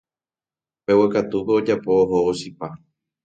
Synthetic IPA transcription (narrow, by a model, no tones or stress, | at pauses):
pe̞wekat̪upeod͡ʒapo̞ːɦooʃipa